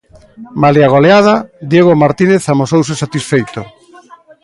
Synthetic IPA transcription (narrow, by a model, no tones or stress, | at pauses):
maliaɣ̞oleað̞ad̪jeɣ̞omaɾt̪ineθamosows̬esat̪isfejt̪o